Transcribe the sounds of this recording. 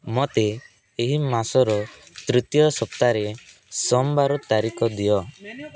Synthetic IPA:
mɔt̪e | eɦimasɔɾɔt̪ɾit̪jɔsɔpt̪aɾe | sɔmbaɾɔt̪aɾikɔd̪ijɔ

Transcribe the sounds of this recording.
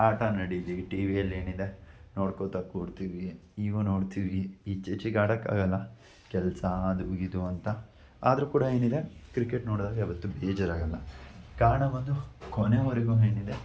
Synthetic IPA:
aːʈɐnɐɽid̪iʋiʈiːʋijɐlːe̞ːnid̪e̞noːɽkot̪akuːɖt̪iʋiiːɡunoːɽt̪iʋiːt͡ʃet͡ʃiɡaːɽɐkːa̰ːɡɐlːɐ | kɛlsɐd̪uɡid̪uɐnt̪ɐ | a̰ːd̪ɐɾukuːɽɐe̞ːnid̪e̞kɾikeʈno̞ːɽd̪aːɡɐiʋɐt̪ːubeːd͡ʒɐɾaːɡɐlːɐkaːɾɳɐbɐnd̪ukoneɐɾeɡuːɦe̞ːnid̪e̞

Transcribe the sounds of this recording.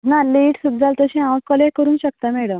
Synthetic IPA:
naliʈsud̪d͡zalt̪əɕĩãwkəlekəɾuːnɕək̚t̪amɛɭəm

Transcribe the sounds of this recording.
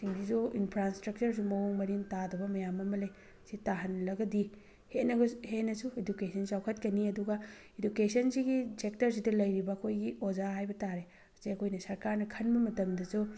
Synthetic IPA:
siŋdizuinpʰɾastɾɐk̚t͡ʃɐɾs̬umɐwuŋmɐɾiŋtadɐbɐmɐjamɐmɐlɐj | sitaɦɐnlɐɡɐdi | henɐɡɐhenɐsuedukesʰɐnsawkʰɐt̚kɐniɐduɡɐ | edukesɐnsiɡisek̚tɐɾs̬idɐlɐjɾibɐːkʰojɡiozaɦajbɐtaɾe | ziɐkʰojnɐsɐɾkaɾnɐkʰɐnbɐmɐtɐmdɐsu

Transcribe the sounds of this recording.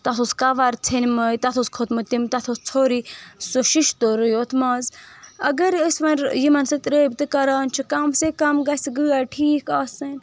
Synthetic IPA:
t̪ɐt̪ʰoskaʋaɾt͡sʰenmɐjt̪ɐt̪ʰoskʰot̪mɨt̪imt̪ɐt̪ʰost͡sʰoːɾisoʃiʃt̪oɾɨjot̪ʰmɐːzɐɡɐɾəsʋɐnɾjimɐnsɨt̪ɾeːbt̪ɨkɐɾaːnt͡ʃʰikɐmsekɐmɡɐsiɡɨaʈʰiːkaːsɐnʲ

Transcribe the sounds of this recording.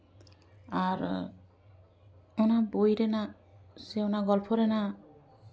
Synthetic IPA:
aɹ | ɔnabojɾɛna | sɛɔnaɡɔlpʰɔɾɛna

